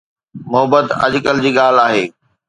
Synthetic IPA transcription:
mʊɦəbət̪ɐ̰d͡ʑkəld͡ʑiːɠaːlaːɦeː

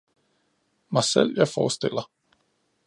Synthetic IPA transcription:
mɑ̈sɛl̰jɑ̈ɪfɒ̰ːsd̪̥elɐ

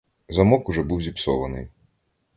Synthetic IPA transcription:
zɐmɔkʊʒɛbuwzʲipsɔʋɐnɪj

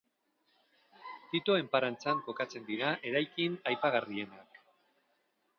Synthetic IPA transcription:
t̪it̪oe̞mpaɾant͡saŋko̞kat͡se̞nd̪iɾaʔe̞ɾajkinajpaɣarie̞nak

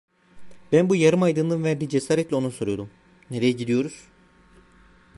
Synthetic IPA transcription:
bænbujaɾɯmajd̪ɯnd̪ˠɯnvæɾd̪iːd͡ʒesaːɾɛt̪lʲio̞nusoɾujo̞d̪um | ne̞ɾejɛɟid̪ijo̞ɾuz̥

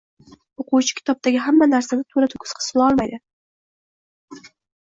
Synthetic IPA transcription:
oqʰuwt͡ʃʰɪ̥kʲʰɪ̥t̪ʰɒb̚t̪aɡʲɪɦamːanaɾsanɪt̪ʰoɾat̪ʰʊ̥kʲʰʊ̥sqʰɨ̥sʊlaɒlˠmajd̪ɪ

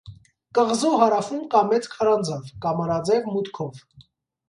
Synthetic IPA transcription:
kəʁzuɦɑɾɑfumkɑmɛt͡skʰɑɾɑnd͡zɑvkɑmɑnɑd͡zɛvmut̪kʰɔv

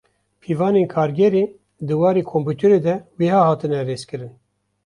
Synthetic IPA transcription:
pʰiːvɑːneːnkʰɑːɾɡʲɛɾeː | d̪ɨwɑːɾeːkʰompuːt̪ʰɛɾed̪ɛweːhɑːhɑːt̪ɨnɛreːskɨɾɨn

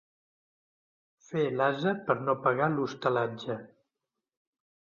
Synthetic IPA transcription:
felazəpəɾnopəɣalust̪əlad͡ʒə

